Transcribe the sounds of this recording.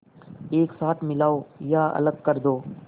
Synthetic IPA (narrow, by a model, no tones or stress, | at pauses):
eːksaːt̪ʰmɪlaːojaɐ̰ləɡ̚kəɾd̪oː